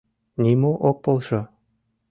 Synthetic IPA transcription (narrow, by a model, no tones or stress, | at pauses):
nimoʔok̚polˠʃɤ̆